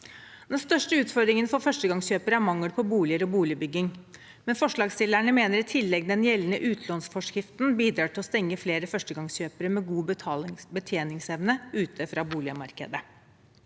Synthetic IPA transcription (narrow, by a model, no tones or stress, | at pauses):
d̪ɛnst̪œʂʈəʉːt̪fɔɾd̪ɾɪŋənfɔfœʂʈəɡɑŋsɕøːpəɾəæɾmɑŋːəɽpʰɔbuːlɪəɾɔbuːlɪəbʏɡɪŋ | mɛnfɔʂɭɑːɡst̪ɪlæɳəmeːnəɾɪt̪ʰɪlːɛɡ̚d̪ɛnjɛlːənəʔʉːt̪ʰlɔnsfɔʂkɾɪft̪nbiːd̪ɾɑːʈɪlɔst̪ɛŋːəfleːɾəfœʂʈəɡɑŋsçøːpəɾəmɛɡuːbət̪ʰjeːnɪŋsɛʋnəʉːt̪ʰəfɾɑːbuːlɪəmɑɾkə̰d̪ə